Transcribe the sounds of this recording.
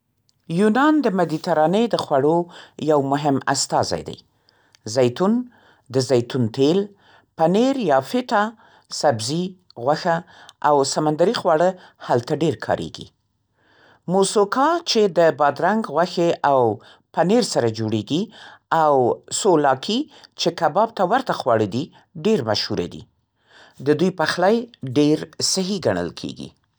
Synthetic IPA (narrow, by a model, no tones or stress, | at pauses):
junɑnd̪əmad̪it̪aɾɑnəd̪əxwaɽojawmʊɦɪma̰st̪ɑza̰jd̪a̰j | zajt̪un | d̪əzajt̪unt̪el | paneɾjɑfɪt̪ɑ | sabzi | ɣwaxa | ʔawsamand̪aɾixwaɽəhalt̪aɖeɾkʰɑ̰ɾḛɡḭ | mosokɑt͡ʃed̪əbɑd̪ɾaŋɡɣwaxeʔaw | paneɾsaɾad͡ʒoɽeɡiawsolɑkʰi | t͡ʃekabɑb̚t̪awaɾt̪axwɑɽəd̪i | ɖeɾmaʃhuɾa̰d̪ḭ | d̪əd̪ujpəxlajɖeɾsɪɦiɡaɳ̃ə̰lkʰḛɡḭ